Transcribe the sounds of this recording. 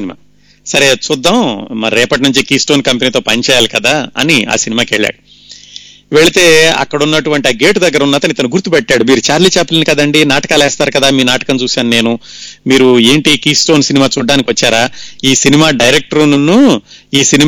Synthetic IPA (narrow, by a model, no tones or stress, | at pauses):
nma̰ː | sɐɾet͡ʃud̪ːɐmmɐɾɛːpɐʈinuɲt͡ʃikiːsʈoːnkɐmpeniːt̪oːpɐnt͡ʃɛːjaːlikɐd̪aːɐ̰nia̰ːsinimaːkeɭːa̰ːɽu | ʋeɭit̪e̞ːɐ̰kːɐɽunːɐʈuʋɐɳʈiaːɡe̞ːʈud̪ɐɡːɐɾunːaːt̪ɐnit̪ɐnuɡuɾt̪ːupɛʈːaːɽumiːɾut͡ʃaːɾliːt͡ʃɛpːɐlinikɐd̪ɐɳɖinaːʈɐ̥kaːlɛːst̪aːɾkɐd̪aːmiːnaːʈɐ̥kɐnt͡ʃuːsaːnune̞ːnumiːɾue̞ːɳʈikiːsʈoːnsinimaːt͡ʃuːɖːaːnikʲiʋɐt͡ʃːaːɾaːiːsinimaːɖɐjɾek̚ʈɐɾunnuiːsini